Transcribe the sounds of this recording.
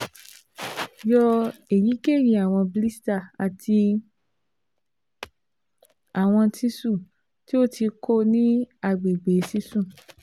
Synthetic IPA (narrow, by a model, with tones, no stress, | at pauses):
jɔ˧e˨ji˨˦ke˦˨ji˧˨a˨w̃ɔ̃˧bi˧li˦sta˦˨a˨tʰi˧ | a˨w̃ɔ̃˧ti˦sũ˦˨ | ti˦o˦˨tʰi˧ko˦nĩ˦a˧ɡ͡be˨ɡ͡be˨˦si˦sũ˦˨